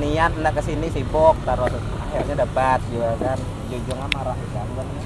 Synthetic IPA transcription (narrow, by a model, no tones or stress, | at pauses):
nianəndaʔkəsinisibɔk̚t̪aɾɔs | ahirɲadəpat̪̚d͡ʒuɡakan | d͡ʒud͡ʒɔŋanmaɾaʔkambən